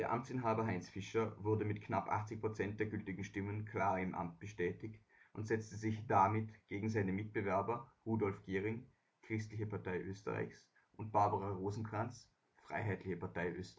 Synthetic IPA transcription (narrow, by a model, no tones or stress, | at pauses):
d̥eːɐʔa̰mt͡sɪnɦaːbɐɦaɪnsfɪʃɐvʊɐdəmɪtknapʔa̰χt͡sɪçpʁ̥ot͡sɛnt̚d̥eːɐɡʏltɪɡŋ̩ʃtɪmənkʰl̥aːʁɪmʔa̰mt̚b̥əʃtɛːtɪçt | ʔʊntz̥ɛt͡stəzɪçd̥amɪtɡ̥eːɡŋ̩zaɪnəmɪt̚b̥əvɛɐbɐʁuːdɔlfɡ̥eːʁɪŋ | kʁ̥ɪstlɪçəpʰaɐtaɪʔøːstə̰ʁa̰ɪçs | ʔʊnt̚b̥aɐbɐʁaʁoːzn̩kʁ̥ant͡s | fʁ̥a̰ɪɦaɪtʰlɪçəpaɐtaɪʔø̰ːst